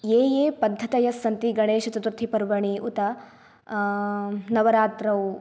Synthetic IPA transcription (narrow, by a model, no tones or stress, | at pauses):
eːjeːpɐd̪ʱːɐt̪ɐjɐsːɐnt̪iɡɐɳeːʃɐt̪ɐt̪uɾt̪ʰipɐɾʋɐɳiʔut̪ɐ | nɐʋɐɾaːt̪ɾɐw